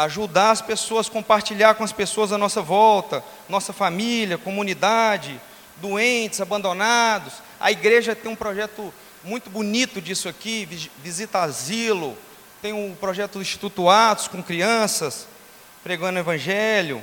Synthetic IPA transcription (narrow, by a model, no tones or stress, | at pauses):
aʒud̪aɾɐspesoɐskõmpaɾt͡ʃiʎaɾkõɐspesoɐzɐnɔsɐvɔwt̪ɐ | nɔsɐfamiljɐkõmũnid̪ad͡ʒɪ | d̪uẽnt͡ʃɪzabɐ̃nd̪onad̪ʊs | ɐ̰iɡɾeʒɐt̪ẽj̃ũpɾɔʒɛt̪ʊ | mũj̃t̪ʊbunit̪ʊd͡ʒisʊakivivizit̪ɐazilʊ | t̪ẽj̃ʊpɾɔʒɛt̪ʊd̪ĩʃt͡ʃi̥t̪ut̪uat̪ʊ̥skõkɾiɐ̃sɐs | pɾeɡɐ̃nʊevɐ̃ʒɛljʊ̰